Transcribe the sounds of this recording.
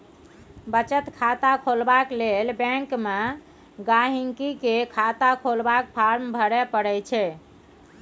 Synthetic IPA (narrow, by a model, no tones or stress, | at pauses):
bət͡ʃət̪kʰat̪akʰolbaklelbɛ̃ŋkme | ɡaɦiŋkikekʰat̪akʰolbak̚pʰaɾmbʱəɾɛpəɽɛt͡ʃʰɛ